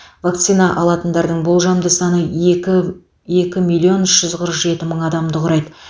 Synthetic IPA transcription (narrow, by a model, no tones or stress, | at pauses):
vak̚t̪sijnɑʔɑlˠɑt̪ənd̪ɑɾd̪əɴbolˠʒɑmd̪əsɑnə | je̞kʲɪmilʲːio̞nʏʃʒ̥ʏzqʰəɾəqʒe̞t̪ɪməɴɑd̪ɑmd̪əqʰʊɾɑjd̪ə